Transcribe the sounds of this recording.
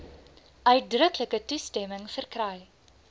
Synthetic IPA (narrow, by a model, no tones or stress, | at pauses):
ʔœɥt̚drəkləkətustɛməŋfərkrɛj